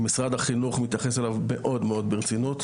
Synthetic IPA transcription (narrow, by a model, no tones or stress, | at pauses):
misʁad̪haχinuχmit̪jaχeselavme̞ʔo̞d̪meo̞d̪beʁt͡sinut̪